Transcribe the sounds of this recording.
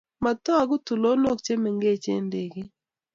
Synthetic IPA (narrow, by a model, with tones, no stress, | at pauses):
ma˨t̪ɔ˦a˨ɡʊ˦tu˨lo˦no˦˨k̚t͡ʃe˦mɛ˨ŋɡe˦t͡ʃḛ˦nde˨ɡɪ˦